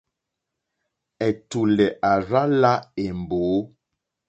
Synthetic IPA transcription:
ɛ˨tu˨lɛ˨ʔa˨ɾa˦la˦e˨m˨boː˨˦

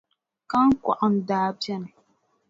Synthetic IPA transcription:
ka˦ŋkʷa̰˨ʔa˨ndaː˦pɐ˦˨n˨

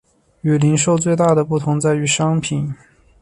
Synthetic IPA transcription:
y˨˩li˧˥nʂo˥˧ʊt͡swe˥˧ɪt̪a˥˩d̪ə˩pu˥˩t̪ʰʊ˧˥ŋt͡sa˥˩ɪy˧˥ʂɑ˥ŋpʰi˨˩˦n

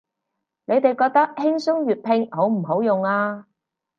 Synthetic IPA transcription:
ne˨˧jt̪e˨jkɔː˧k̚t̪ɐ˥k̚hɪ˥ŋsʊ˥ŋjyː˨t̚pʰɪ˧ŋho˨˥wm̩˨˩ho˨˥wjʊ˨ŋaː˧

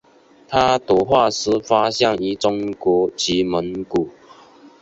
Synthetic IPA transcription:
t̪ʰa˦t̪wɔ˨˩xwa˥˨sɹ̩˥fa˦ɕja˥˩ŋi˧˩t͡sʊ˥ŋkwɔ˧˥˦t͡ɕi˨˦mə˨˦nku˨˩˦

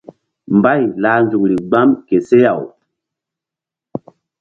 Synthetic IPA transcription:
mba˦˨jlaː˨nzu˨k̚ɾi˨ɡ͡ba˦mke˨se˦ja˨w

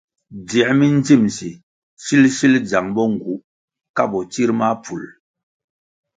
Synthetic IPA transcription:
dɛ˨mi˦n˦d͡zi˦˨msi˨ | si˦lʃi˦ld͡ʒa˨ŋbɔ˦ŋ˨ɡu˨˦ʔ | ka˦bɔ˨t͡ʃi˦ɾma˦pu˨l

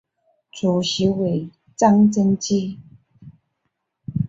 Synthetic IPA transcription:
t͡su˨˩ɕi˧˦we˨˩ɪ | t͡sa˥˧ŋt͡sə˥˦nt͡ɕi˥˧˦

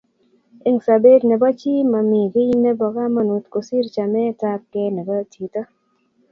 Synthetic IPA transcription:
e˦ŋsa˨be˦dnɛ˨ba˦t͡ʃi˦ma˨mi˨ɡe˦ji˦nɛ˦bɔ˨ɡa˦ma˦nu˨t̪ko˨si˦ɾt͡ʃa˨mɛ˦ta˦p̚kɛ˦nɛ˨bɔ˦tʰi˨t̪ɔ˦

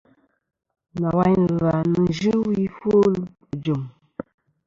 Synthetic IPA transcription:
na˨wa˦ɲ˨lwa˨nə˨ʒɨ˦wi˦fo˦˨d͡ʒo˨m

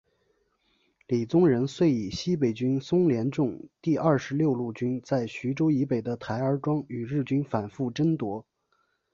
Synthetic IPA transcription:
li˨˩t͡sʊ˥ŋɻə˧˥nswe˥˩ɪi˨˩ɕi˥pe˨˩ɪt͡ɕy˥nsʊ˥ŋljɛ˧˥nʈ͡ʂʊ˥˧ŋt̪i˥˧ʔɐ˞˥˩ʂɻ̩˧˥ljo˥˧ʊlu˥˩t͡ɕy˥nt͡sa˥˩ɪɕy˧˥ʈ͡ʂo˥ʊi˧˥pe˨˩ɪd̪ə˦t̪ʰa˧˥ɪə˞˧˥ʈ͡ʂwɑ˥ŋy˨˩ɻɻ̩˥˩t͡ɕy˥nfa˨˩nfu˥˩ʈ͡ʂə˥nt̪wɔ˧˥

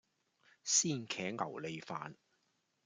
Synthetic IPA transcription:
siː˥˩nkʰɛː˨˥ŋɐ̰˨˩wle˨˧jfaː˨n

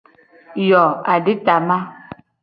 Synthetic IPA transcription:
jɔ˨a˨di˦ta˨ma˦

